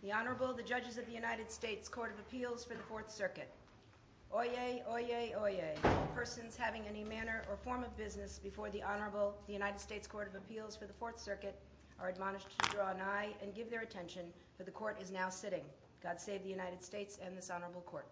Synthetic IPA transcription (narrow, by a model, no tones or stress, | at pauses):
ðiɑnə˞əbl̩ˠðɨd͡ʒʌd͡ʒɨzʌvðɨjʉnaɪɾɨd̥steɪtskʰɔɹɾʌvɨpʰilˠz̥fə˞ðɨfɔɹθsɜ˞kɨɾ | ʔɔɪeɪʔɔɪeɪɔɪeɪpʰɜ˞sɨ̃nz̥hævɪ̃ŋɛnimænə˞ʔə˞fɔɹmʌvbɪznɨsb̥ɨfɔɹðiʔɑnə˞bl̩ˠðɨjʉnaɪɾɨd̥steɪtskʰɔɹɾʌvɨpʰilˠz̥fə˞ðəfɔɹθsɜ˞kɨɾ | ʔə˞ɨd̚mɑnɨʃtʰɨdɹɔə̃naɪɨ̃nɡɪvðə˞ɨtʰɛ̃nʃɨ̃n | fə˞ðɨkʰɔɹɾɨznaʊsɪɾɪ̃ŋ | ɡ̥ɑd̥seɪvðɨjʉnaɪɾɨd̥steɪtsɨ̃nðɪsɑnə˞əbl̩ˠkʰɔɹt̚